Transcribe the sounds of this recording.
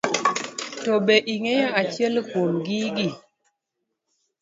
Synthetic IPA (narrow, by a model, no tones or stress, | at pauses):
tɔɓeʔiŋɛjaat͡ʃjɛlkwomɡiɡi